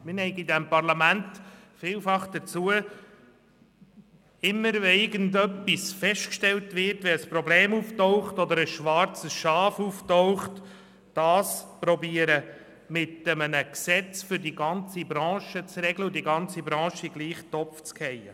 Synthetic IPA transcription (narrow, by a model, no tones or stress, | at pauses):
mɪnɛɪɡidɛmpɑɾlɑmænt | fiːlfɑχd̥̪ət͡suə | ɪmːəɾɛɪɡəndœpːisfɛʃtkʃtɛltʋɪɾtʋɛəspɾɔbleːmuftoʊχtɔd̪əɾəsʃʋɑɾt͡səsʃɑːfuftoʊχt | d̥ɑːspɾɔbiəɾə | mɪtəmənəksɛt͡sfʏɾdiɡɑnt͡sibɾɑ̃ːʃət͡srɛɡləudiɡɑnt͡sibɾɑ̃ːʃiɡliːχt̪ɔpft͡skhɛjə